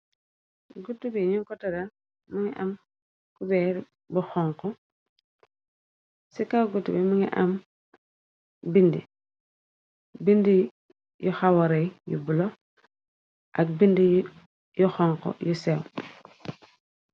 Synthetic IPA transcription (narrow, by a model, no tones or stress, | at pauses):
ɡutːubiɲuŋkɔtɐdɐ | muŋiʔɐm | kubɛɾ | buxɔŋkɔ | sikawɡutːubimuŋḭʔɐm | bindḭ | bindi | juxawɔɾejjṵbulo | ʔɐk̚bindi | juxɔŋkɔ̰jusɛw